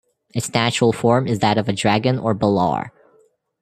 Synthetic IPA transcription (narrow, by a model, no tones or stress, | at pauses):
ɨtsnæt͡ʃəɹl̩ˠfɔɹmɨzðɨɾʌvɨdɹæɡɨ̃nə̰˞bəlɑ̰ɹ